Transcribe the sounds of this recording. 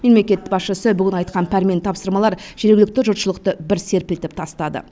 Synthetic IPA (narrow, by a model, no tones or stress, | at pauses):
me̞mle̞kʲe̞t̪bɑsʃəsəbʏɡʲɪnɑjt̪̚qɑnpʰæɾme̞nt̪ʰɑpsəɾmɑlˠɑɾʒ̥e̞ɾɡʲɪlɪk̚t̪ɪʒʊt̪ʃəlˠəqt̪əbɪɾse̞ɾpɪlt̪ɪp̚t̪ʰɑst̪ɑd̪ə̰